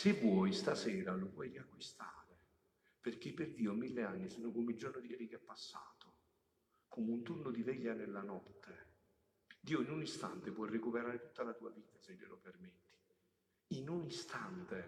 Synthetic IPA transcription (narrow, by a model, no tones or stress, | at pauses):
sevwɔjst̪asɛːɾalovwɔjriakːwist̪a̰ːɾe | perk̟epːerd̪iːomilːeanːisɛnʊkomeild͡ʒornʊd̪iɛːɾikɛpːasːa̰ːt̪o | komunt̪unʊd̪ivɛʎːanelːanɔt̪ːe | d̪iːoinunist̪a̰nt̪epwɔjrekupeɾaːɾet̪ut̪ːalat̪uːa̰viːt̪aselːḛlʔo̰permet̪ːi̥ | inunist̪ant̪e